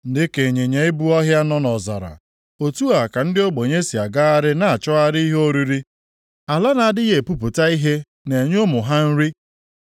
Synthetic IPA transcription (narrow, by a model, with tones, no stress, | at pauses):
n̩˦dɪ˦ke˨ɲe˨ɲe˨˦ɪ˦bu˦ɔ˦ɦja˦nɔ˦nɔ˨za˨ɾa̰˨ | o˨tu˦a˨ka˨n̩˦dɪ˦o˦ɡ͡bo˨ɲe˦si˨a˨ɡa˦a˦ɾɪ˦na˨a˨t͡ʃɔ˦a˦ɾi˦i˦ɦo˦ɾi˦ɾi˦ | a˨la˦na˨a˨dɪ˦ɣe˨pu˦pʊ˨ta˦i˦ɦe˦ | ne˨ɲ˦o˦mʊ˨ɦa˦n̩˦ɾi˦